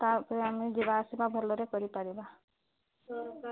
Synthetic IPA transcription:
t̪apɾeamed͡ʒebaːsibabʱɔɾlɔɾekɔɾipaɾeba

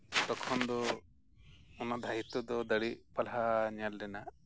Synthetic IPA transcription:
t̪ɔkʰɔnd̪ɔ | unad̪ʱajit̪ːɔd̪ɔd̪əɽipalɦaɲalɖɛna

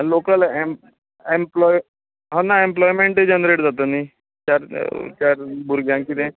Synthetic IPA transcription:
lokəlem | emplɔj | ɦə̃naemplɔjmeɳʈed͡ʑənɾeʈd͡zat̪əni | t͡ɕaɾt͡ɕaɾbuɾɡjãŋkit̪ẽ

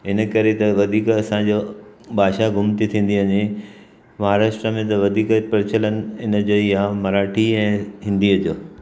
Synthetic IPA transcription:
ɦɪnə̆kɐɾet̪ɐʋɐd̪ʱiːkɐsãd͡ʑoːbaːʃaɡʱʊmt̪it̪ʰĩːn̆d̪iɐɲe | ʋaɦaɾaːʃʈɾəmẽt̪̬ɐʋɐd̪ʱiːkpɐɾɪt͡ɕʰələnɪ̆ɪnəd͡ʑoːiɦãmɐɾaːʈʰiɛ̃ːɦɪ̃nd̪iɐt̪joː

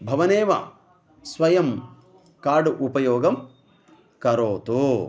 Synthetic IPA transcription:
bʱɐʋɐneːʋɐ̰ | sʋɐjɐm | kaːɾɖuʔupɐjoːɡɐm | kɐɾoːt̪u

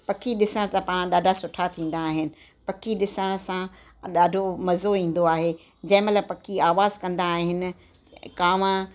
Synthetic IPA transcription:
pɐkʰiɗɪsəɽ̃t̪ɐpaːɽ̃ɗaːɖʱasʊʈʰat̪ʰĩːn̆d̪aːɦɪnɪ̆ | pɐkʰiɗɪsəɽ̃sã | ɗaːɖʱomɐzoĩːn̆d̪oaːɦe | d͡ʑɐ̃ɦɪ̃mɐt̪ləb̚pɐkʰiaːʋaːzkɐ̃nd̪aːɦɪnɪ̆ | kaːʋã

